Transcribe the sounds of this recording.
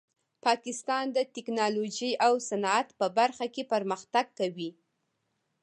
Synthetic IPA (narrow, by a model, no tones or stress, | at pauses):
pɑkɪst̪ɑnd̪ət̪ɪknɑloʒiʔawsanɑat̪pəbaɾxakepəɾməxt̪aɡkawi